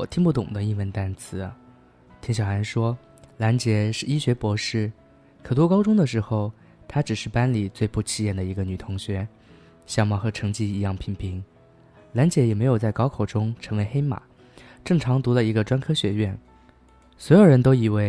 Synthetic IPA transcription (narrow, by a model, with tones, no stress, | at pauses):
wɔ̰˨˩t̪ʰi˥˧ŋpu˥˩t̪ʊ̰˨˩ŋd̪ə˦i˥˧wə˧˥nt̪a˥nt͡sʰɹ̩˥˩ | t̪ʰi˧˥ŋɕjɑ˨˩ʊa˧˥nʂwɔ˥ | la˧˥nt͡ɕjɛ˧˥ʂɻ̩˥˩i˥ɕɥɛ˧˥pwɔ˧˥ʂɻ̩˥˩ | kʰɤ˨˩t̪wu˥˩kɑ˥ʊʈ͡ʂʊ˥ŋd̪ə˨ʂɻ̩˧˥xo˥˧ʊ | t̪ʰa˥ʈ͡ʂɻ̩˨˩ʂɻ̩˥˩pa˥nli˨˩t͡swe˥˧ɪpu˥˩t͡ɕʰi˥jɛ˥˩nd̪ə˩i˧˥ɡə˧ny˨˩t̪ʰʊ˧˥ŋɕɥɛ˧˥ | ɕjɑ˥˩mɑ˥˩xɤ˧˥ʈ͡ʂʰɤ˧˥ŋt͡ɕi˥˩i˧˥jɑ˥˩ŋpʰi˧˥ŋpʰi˧˥ŋ | la˧˥nt͡ɕjɛ˧˥jɛ˨˩me˧˥ɪjo˨˩ʊt͡sa˥˩ɪkɑ˥ʊkʰo˨˩ʊʈ͡ʂʊ˥ŋʈ͡ʂʰɤ˧˥ŋwe˧˥ɪxe˥ɪma̰˨˩˦ | ʈ͡ʂɤ˥˩ŋʈ͡ʂʰɑ˧˥ŋt̪u˧˥lə˧i˧˥ɡə˧ʈ͡ʂwa˥nkʰɤ˥ɕɥɛ˧˥ɥɛ˥˩n | swɔ˧˥jo˨˩ʊɻə˧˥nt̪o˥ʊi˨˩we˥˩ɪ